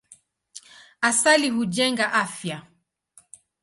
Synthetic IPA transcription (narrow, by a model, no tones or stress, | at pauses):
asalihuʄɛŋɡaʔafja